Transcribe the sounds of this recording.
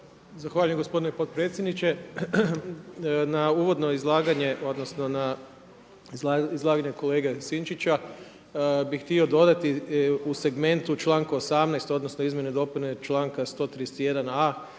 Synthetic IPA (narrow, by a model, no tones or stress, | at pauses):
zaxʋaːʎujeɡo̞spo̞d̪inopo̞d̪̚pɾet̪sʲjed̪nit͡ʃe | nauːʋo̞d̪no̞izlˠaːɡaɲe̞ʔo̞d̪nosno̞na | izlˠaːɡaɲeko̞leːɡesint͡ʃit͡ʃa | bixt̪io̞d̪o̞d̪at̪iuse̞ɡme̞nt̪ut͡ʃlˠaːŋkuosamnajst̪o̞d̪nosnoizmje̞ned̪o̞punet͡ʃlˠaːŋkast̪o̞ːt̪ɾiset̪ije̞d̪ana